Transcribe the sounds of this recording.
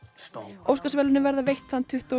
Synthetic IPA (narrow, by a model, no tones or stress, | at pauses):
owskasvɛːlɪnɪvɛɾðavejht̪θant̪ʰʏht̪o